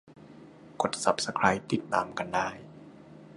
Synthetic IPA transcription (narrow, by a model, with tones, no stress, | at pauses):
ko˨˩t̪̚sa˨˩p̚sa˧kʰɾaː˧˥jt̪i˨˩t̪ːaː˧mka˧ndaː˥˩j